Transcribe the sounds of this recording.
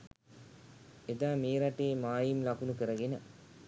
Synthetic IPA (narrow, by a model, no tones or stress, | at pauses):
ed̪aːmeːɾaʈeːmaːjimlakunukəɾəɡenə